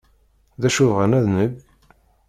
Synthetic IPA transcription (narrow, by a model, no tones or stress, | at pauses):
ðæʃʊvʁənæðnəɡ